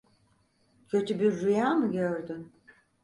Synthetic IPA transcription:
cʰø̞t̪ʰybiɾːujaːmɯɟøɾd̪ym

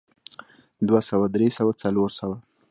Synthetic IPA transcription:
d̪wasawad̪ɾesawat͡saloɾsawa

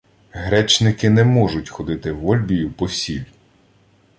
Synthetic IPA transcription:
ɦɾɛt͡ʃnɪkɪnɛmɔʒʊtʲxɔd̪ɪt̪ɪʋɔlʲbʲijʊpɔsʲilʲ

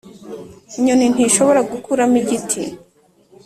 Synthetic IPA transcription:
iɲonin̥iʃo̞βo̞ɾaɡukuɾamiɟitʰi

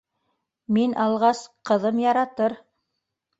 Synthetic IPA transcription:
minʔɑlˠʁɑsqɤ̆ðɤmjɑɾɑt̪ɤɾ

